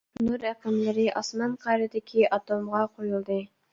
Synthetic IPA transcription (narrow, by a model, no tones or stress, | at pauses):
nuɾeqemleɾiʔɑsmɑnqʰɑjɾed̪ekʰiʔɑt̪omʁɑqʰojulˠd̪ɯ